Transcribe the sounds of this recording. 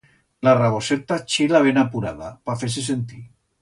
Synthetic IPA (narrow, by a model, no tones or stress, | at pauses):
laraβoset̪at͡ʃelaβenapuɾaðapafes̬es̬ent̪i